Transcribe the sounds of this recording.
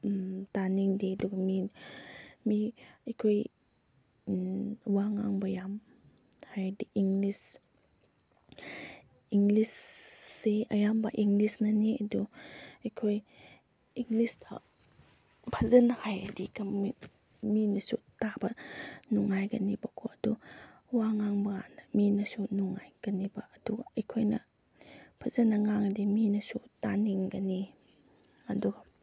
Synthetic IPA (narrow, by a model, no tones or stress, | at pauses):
taniŋdeduɡmin | miɐjkʰoj | waŋa̰ŋbɐjam | hajdiʔiŋlis | iŋlisː | eɐjambaʔiŋɡlisnaniɐduɐjkʰoj | iŋlisda̰ | pʰɐzɐnɐhajɐdikɐmi | minɐsutabɐnuŋːajɡɐnibɐkʰoɐdu | waŋaŋbɐa̰nɐminɐsunuŋːajɡ̥ɐnibɐʔɐduɡɐɐjkʰojnɐ | pʰɐzɐnːɐŋaŋdiminɐsutaniŋɡɐni | ɐduɡɐ